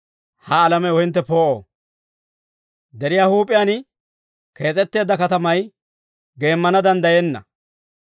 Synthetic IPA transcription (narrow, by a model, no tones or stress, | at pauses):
hɐːlɐmɛwɔhɪnt̪ːɛpo̞ːʔoː | d̪ɛɾɪjaːhuːpʼːɪjan | ke̞ːt͡sʼɛt̪ːeːd̪ːɐkɐt̪ɐmɐj | ɡe̞ːmːɐnɐd̪ɐnd̪ɐjɛnːɐ̰